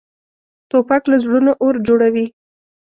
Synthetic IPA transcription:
t̪opaklazɽunoʔoɾd͡ʒoɽawi

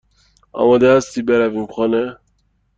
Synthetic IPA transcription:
ɒ̰mɑd̪ɛæst̪ibeɾævimxɔne

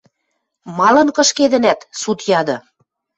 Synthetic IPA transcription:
mɑlɤ̆nkɤ̆ʃked̪ə̆næt̪sut̪jɑd̪ɤ̆

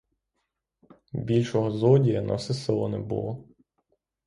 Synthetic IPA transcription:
bʲilʲʃɔɦɔzɔdʲijɐnʔɐ̰sɪsɪlˠɔnɛ̰bṵlˠɔ

